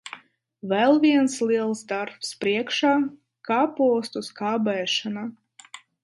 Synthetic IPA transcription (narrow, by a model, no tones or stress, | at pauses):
vɛlˠvʲiɛnsliɛlˠsd̪aɾpspɾiɛkʃaː | kaːpuɔst̪uskaːbɛːʃana